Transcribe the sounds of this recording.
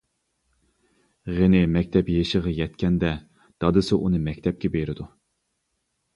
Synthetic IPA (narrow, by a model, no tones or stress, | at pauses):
ʁenɪmɛkʲt̪ʰɛpjeʃəʁɑjɛt̪kʲɛnd̪ɛ | d̪̥ɑd̪ɨsɨʔunɨmɛkʲt̪ʰɛp̚kʲɛbeɾɪd̪u